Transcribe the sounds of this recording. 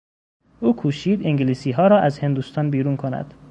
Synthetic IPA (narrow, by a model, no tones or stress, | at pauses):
ʔuːkʰuːʃiːd̪eŋɡeliːsiːɦɒːɾɒːʔæzhe̞nd̪uːst̪ʰɒːnbiːɾuːnkʰonæ̰d̪̥